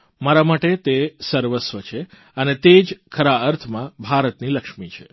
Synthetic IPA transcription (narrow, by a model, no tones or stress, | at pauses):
maɾamaʈet̪esəɾʋəsʋət͡ʃʰe | ənet̪ed͡ʒkʰəɾaəɾt̪ʰmãbʱaɾət̪niləkʃmit͡ʃʰe